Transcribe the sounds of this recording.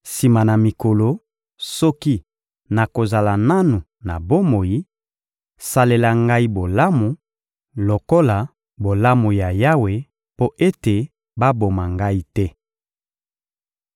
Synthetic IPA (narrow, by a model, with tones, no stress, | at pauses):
si˨ma˨na˨mi˨ko˨lo˨ | sɔ˦ki˦ | na˨ko˨za˨la˨na˦nu˨ | na̰˨bo˦mo˨ji˦ | sa˨le˨la˨ŋɡa˦i˦bo˨la˦mu˨ | lo˨ko˦la˨ | bo˨la˦mu˨ja˨ja˦we˨ | po˦ʔe˦te˨ | ba˦bo˨ma˨ŋɡa˦i˦tɛ˦